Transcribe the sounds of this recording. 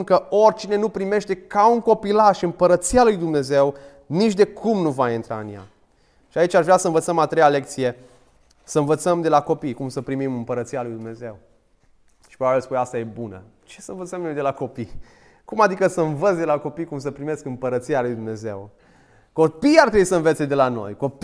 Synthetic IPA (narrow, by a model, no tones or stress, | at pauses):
nkəo̞rʲt͡ʃine̞nupɾime̞ʃt̪e̞kauŋko̞pilaʃɨmpəɾət̪sialujd̪umne̞ze̞w | nit͡ʃd̪e̞kʰumnuvaint̪ɾa̰ɨ̰nja̰ | ʃiait͡ʃʲaʒvɾʲasəɨnvət̪səmat̪ɾejale̞k̚t̪sije̞ | səɨnvət̪səmd̪e̞lako̞pijkumsəpɾimimɨmpəɾət̪sialujd̪umne̞ze̞w | ʃi̥pɾobabilspunast̪aje̞bunə̰ | t͡ʃe̞səɨnvət̪səmnojd̪e̞lako̞pi | kumad̪ikəsəɨnvət̪s̬ʲd̪e̞lako̞pijkums̬əpɾime̞skɨmpəɾət̪sialujd̪umne̞ze̞̰w | ko̞piart̪ɾebujsəɨnvet̪sed̪e̞lano̞̰jko̞p